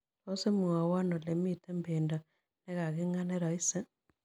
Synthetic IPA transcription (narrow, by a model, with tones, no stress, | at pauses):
ɾose˦muŋa˨wa˦no˨le˨mitembenda | ne˦ɣa˨ɣiŋa˦ne˦ɾai˦se˦